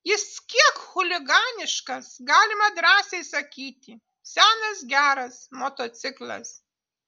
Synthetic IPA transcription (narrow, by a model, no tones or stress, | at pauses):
jɪskʲiɛkxʊlʲɪɡɑːnʲɪʃkɐsɡɑːlʲɪmɐd̪ɾɑːsʲɛɪsɐkʲiːt̪ʲɪ | sʲæːnɐsɡʲæːɾɐsmoːt̪oːt̪sʲɪklˠɐ̰s